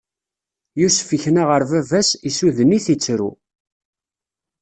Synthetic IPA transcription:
jusfəçnaʁəɾvævæsisuðəniθit͡sːɾṵ

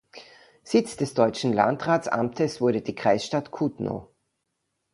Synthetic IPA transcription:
z̥ɪt͡sd̥ɛsd̥ɔʏt͡ʃn̩la̰ntʁaːt͡sa̰mtʰəsv̥ʊɐɾədiːkʁ̥aɪsʃtatkʰutno̰

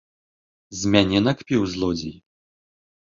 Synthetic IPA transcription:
zʲmʲanʲɛnɐkpʲiwzlˠɔd͡zʲḭj

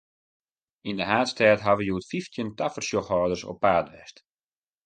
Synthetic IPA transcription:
indəɦaːtstʰɛːtɦaʋəjuətfiftʰjəntafərsjɔxhɔːdərsɔ̰pːaːtʋɛ̰st

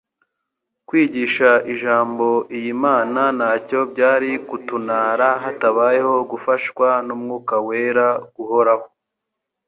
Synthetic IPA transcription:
kwiːɟiʃaʔiʒaːmbo̞ʔijimaːnanaːco̞bɟaːɾikutunaːɾaɦataβaːjeho̞ɡufaʃkwanumŋuːkaweːɾaɡ̥uho̞ɾaho

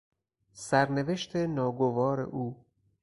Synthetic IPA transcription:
sæɾneve̞ʃt̪ʰenɒːɡovɒːɾḛʔuː

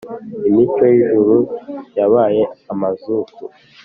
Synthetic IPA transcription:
imit͡ʃo̞jiʒuɾujaβaːje̞amazuku

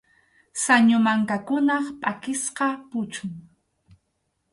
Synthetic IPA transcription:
saɲʊmaŋkakʊnɑχpʼakɪsqɑpʊt͡ʃʊŋ

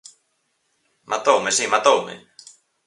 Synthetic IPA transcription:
mat̪owmesimat̪owmḛ

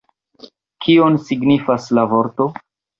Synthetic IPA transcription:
kʰionsiɡnifaslavoɾto̞

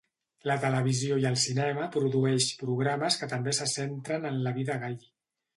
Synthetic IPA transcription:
lət̪ələβiziojəlˠsinɛməpɾuðuɛʃpɾuɣɾaməskət̪əmbesəsent̪ɾənənləβiðəɣaʎ

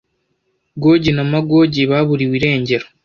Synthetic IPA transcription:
ɡo̞ːɟinamaɡo̞ːɟiβaβuɾiwiɾe̞ːɲɟe̞ɾo

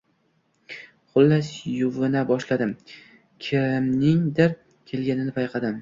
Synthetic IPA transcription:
χʊlːasjʊvɪnabɒʃlad̪ɪm | kʲʰɪɾɪmnɪŋd̪ɪɾ | kʲʰe̞lɡʲanɪnɪpʰajqʰɑd̪ɪm

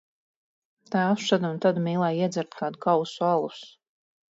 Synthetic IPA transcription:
t̪aːʃad̪unt̪ad̪miːlˠaːjiɛd̪zʲæɾt̪̚kaːd̪ukawsualˠus

